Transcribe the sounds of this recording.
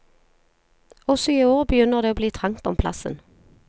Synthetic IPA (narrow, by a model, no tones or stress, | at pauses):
ɔsɔiːoːʁbəjʏnəʁd̪eːoːbliːt̪ʰʁɑŋt̪ɔmpʰlɑ̰sə̰n